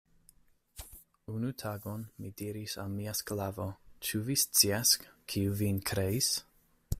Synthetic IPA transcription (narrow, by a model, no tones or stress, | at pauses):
unutʰaɡonmidiɾisa̰lmiasklavot͡ʃuvist͡siaskkʰiuvinkʰɾeis